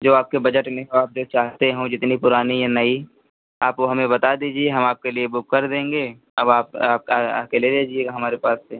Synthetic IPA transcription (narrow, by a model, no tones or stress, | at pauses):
d͡ʒoːaːp̚kebɐd͡ʒəʈmẽoaːp̚d͡ʒoːt͡ʃaːɦt̪eɦũd͡ʒɪt̪nipʊɾaːnijanɐi | aːpkoɦɐmẽbɐt̪ad̪iːd͡ʒieɦɐmaːp̚keliebʊkːɐɾd̪ẽːŋɡeː | ɐbaːpaːp̚kaa̰keleleːd͡ʒieaɦɐmaːɾepaːsːe